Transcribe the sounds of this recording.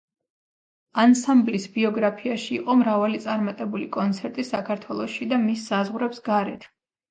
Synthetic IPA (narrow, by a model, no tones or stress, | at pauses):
ansamblisbiɔɡɾapʰiaʃiːqʼɔmɾavalit̪sʼaɾmat̪ʼɛbulikʼɔnt̪sʰɛɾt̪ʼisakʰaɾt̪ʰwɛlˠɔʃid̪amisːazʁɾɛpsɡaɾɛ̰t̪ʰ